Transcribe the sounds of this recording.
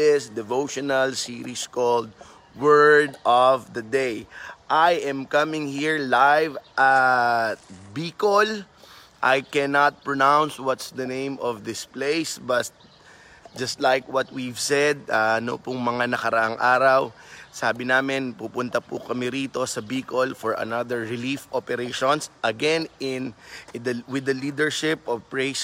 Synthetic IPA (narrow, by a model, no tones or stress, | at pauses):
ɪsd̪ɛvowʃonɐlsiːɾiskold̪̚ | wɜɹd̪ʔɔvd̪ɐd̪ejʔajʔɛ̃mkɐmɪ̃ŋhiɹlajvʔɐt̪̚biːkol | ʔajkɛnat̪̚pɹonawnswɔt̪sd̪ɐnẽj̃mɔvd̪ɪsplejsbɐst̪ | d͡ʒɐst̪lajkwɔt̪̚wivsɛd̪̚aɐno̰pʊŋmɐŋanɐkɐɾɐʔaŋʔaːɾɐwsaːbɪnaːmɪnpupʊnt̪ɐpʊ̰kɐmɛɾiːt̪o̞sɐbiːkolfɔɹʔɐ̰nad̪əɹːɪlifʔopɛɾeʃõnsʔɐɡɛ̃nɪnd̪wɪd̪ɐliːd̪əɹʃɪpɔvpɹes